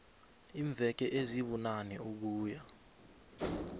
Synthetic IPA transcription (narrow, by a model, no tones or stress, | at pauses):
iːɱvɛk̬ɛʔeziɓunanɛuk̬uːja